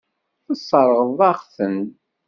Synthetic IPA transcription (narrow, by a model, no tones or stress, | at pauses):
θəsˤːɑɾˤəʁðˤɑʁθən